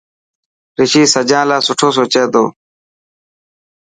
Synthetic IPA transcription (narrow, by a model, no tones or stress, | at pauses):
ɾɪʃiːsəd͡ʒãːlaːsʊʈʰoːsoːt͡ʃeːd̪o̰ː